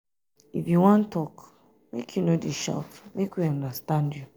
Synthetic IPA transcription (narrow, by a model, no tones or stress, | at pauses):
ifjuwɔ̃ntʰːɔk | mekʰjunodiʃɔ̰kmekwiãndəstãndju